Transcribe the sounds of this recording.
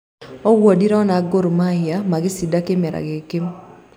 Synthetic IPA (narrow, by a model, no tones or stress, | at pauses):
ɔwodiɾɔnaɡoɾomajamaɡɪsidakɪmɛɾa̰ɡɪkɪm